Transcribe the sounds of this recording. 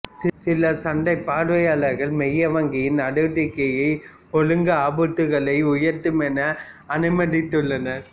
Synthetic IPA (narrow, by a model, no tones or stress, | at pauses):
sɪsɪlɐsɐnɖ̪ɐɪpːaːɽʋɐjaːɭɐɾɣɐɭmɛjːɐʋɐŋɡɪjɪnɐɽɯɽɪkːɐjɐɪ | pɔɻɯŋɡɐaːbɯt̪ːɯɣɐɭɐɪʊjɐɾt̪ɯmɛnɐː | nɯmɐɽɪt̪ːɯɭːɐnɐɾ